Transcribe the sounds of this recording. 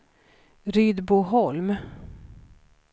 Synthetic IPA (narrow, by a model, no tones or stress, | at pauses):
ɾyːd̪buɦɔlm